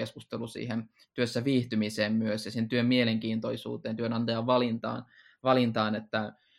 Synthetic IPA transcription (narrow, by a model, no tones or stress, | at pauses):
eskust̪elusḭːhen | t̪yøsːæʋiːht̪ymiseːmmyøsjɑsint̪yømmieleŋkiːnt̪oisṵːt̪eːnt̪yønɑnt̪ɑjɑʋʋɑlint̪ɑ̰ːn | ʋɑlint̪ɑːnet̪ːæ